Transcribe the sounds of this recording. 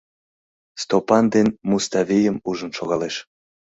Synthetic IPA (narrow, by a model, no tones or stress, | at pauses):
st̪opɑnd̪enmust̪ɑvʲejəmuʒənʃoɣɑleʃ